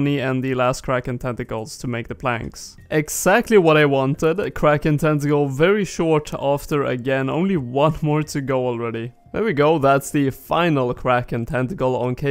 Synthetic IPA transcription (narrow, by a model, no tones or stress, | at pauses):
niɨ̃nðɨlæskʰɹ̥ækɨ̃ntʰɛ̃ntɨkl̩ˠz̥tʰɨmeɪk̚ðəpʰl̥æ̰̃ŋks | ʔɪɡz̥æk̚tʰˡliwʌɾaɪwɑ̃ntɪdkʰɹ̥ækɨ̃ntʰɛ̃ntɨkl̩ˠvɛɹiʃɔɹɾæftə˞ɨ̰ɡɛ̃nõ̰ʊ̃nliwʌ̃nmɔɹɾɨɡoʊl̩ˠɹɛɾi | lə˞wiɡoʊðætsðɨfãɪ̃nl̩ˠkʰɹ̥ækɨ̃ntʰɛ̃ntɨkl̩ˠə̃nkʰe